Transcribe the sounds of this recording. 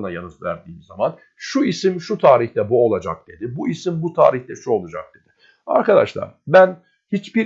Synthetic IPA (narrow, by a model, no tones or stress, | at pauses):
najanɯzvæ̰ɾd̪iːmza̰man | ʃuisimʃut̪ʰaːɾiçt̪ɛbuo̞lˠad͡ʒak̚d̪̥e̞d̪ɪbuisimbut̪ʰa̰ːɾiçt̪ɛʃuo̞lˠad͡ʒa̰k̚d̪̥e̞d̪̥ɪ | a̰ɾkad̪a̰ʃlˠa̰ɾbæn | hit͡ʃbiɾ